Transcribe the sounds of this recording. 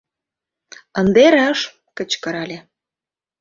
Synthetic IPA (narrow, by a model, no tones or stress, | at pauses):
ənd̪eɾeʃ | kə̆t͡ɕkə̆ɾɑlʲe